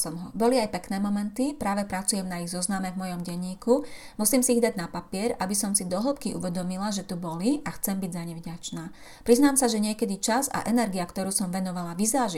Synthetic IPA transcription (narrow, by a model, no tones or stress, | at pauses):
sɔmɦɔbɔliajpɛknɛːmɔmɛnt̪ipɾaːʋɛpɾat͡sujɛmnaiɣzɔznamɛvmɔjɔmɟɛɲːiːku | musiːmsiiɣd̪aɟnapapɪɛɾabisɔmsid̪ɔɦl̩pkiʔṵʋɛd̪ɔmilaʒɛt̪ubɔliʔaxt͡sɛmbiɟzaɲɛvɟat͡ʃnaː | pɾiznaːmsaʒɛɲɪɛkɛd̪it͡ʃaza̰ʔɛnɛɾɡijakt̪ɔɾuːsɔmʋɛnɔʋalaʋizaːʒi